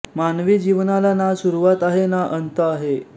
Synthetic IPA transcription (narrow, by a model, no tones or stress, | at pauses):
manʋiːd͡ʑiʋnalanasuɾuʋat̪aɦenaʔənt̪əaɦe